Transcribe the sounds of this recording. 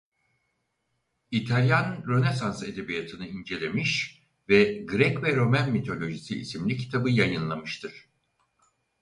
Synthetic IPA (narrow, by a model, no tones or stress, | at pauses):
it̪ʰalʲjanɾo̞nesanse̞d̪e̞bijat̪ʰɯnɯind͡ʒe̞lʲe̞miʃ | vɛɡɾɛcvɛɾo̞mænmit̪ʰo̞lʲo̞ʒisḭːsimlʲicʰi̥t̪ʰabɯjajɯnlˠamɯʃt̪ʰɯɾ̥